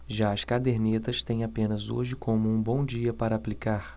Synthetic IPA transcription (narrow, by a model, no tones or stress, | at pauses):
ʒaɐskad̪eɾnet̪ɐst̪ẽj̃apẽnɐzo̰ʒɪkʰõmʊũbõw̃d͡ʒiɐpaɾɐaplikaɾ